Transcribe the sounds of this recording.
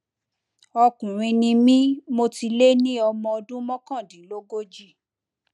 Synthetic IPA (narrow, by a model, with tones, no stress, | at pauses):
ɔ˧kũ˨ɾ̃ĩ˧nĩ˧mĩ˦mo˧ti˧le˦nĩ˦ɔ˧mɔ̃˧ɔ˧dũ˦mɔ̃˦kã˦˨dĩ˨˦lo˦ɡo˦d͡ʒi˦˨